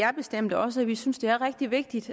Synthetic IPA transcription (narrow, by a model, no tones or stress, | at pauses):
æɐb̥e̝sd̥em̰d̥ɒ̽səæʋisynsd̥e̝æɐʁɛɡ̥̚d̥iʋe̝ɡ̥̚d̥id̥